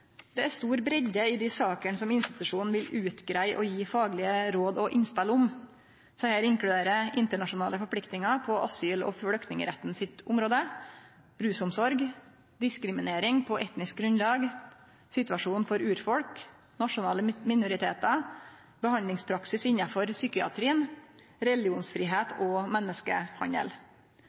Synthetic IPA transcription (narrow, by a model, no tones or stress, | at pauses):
d̪̥ɛæst̪uːɾbɾɛɟəɪd̪isɑːkəɳsɔmɪnst̪ɪt̪ʉʂuːnn̩ʋɪlʉːt̪ɡɾæɪʔɔjiːfɑːɡlɪəɾoːd̪ɔʔɪnspɛlʊm | sɛhæːɾɪŋkɽʉd̪eːɾəʔɪnt̪əɳɑʂʊnɑːləfɔɾpʰɽɪkt̪ɪŋɑpʰɔʔɑsyːlɔ̰fɽœkt̪nɪŋə̰ɾɛt̪ːnsɪt̪ʊmɾoːd̪ə | ɾʉːsʊmsɔɾɡ | d̪ɪskɾɪmɪneːɾɪŋpʰɔʔɛt̪nɪsk̚ɡɾʉnlɑːɡ | sɪt̪ʉɑʂuːnfɔɾʉːɾfɔɽk | nɑʂʊnɑːləmɪnʊɾɪt̪ʰḛːt̪ɑ | bəhɑnlɪŋspʰɾɑksɪsɪɲːɑfɔɾsyːkɪɑ̰t̪ʰɾiːən | ɾɛlɪuːnsfɾiːɦeːt̪ʰɔmɛnːəskə̰hɑ̰ɲə̰l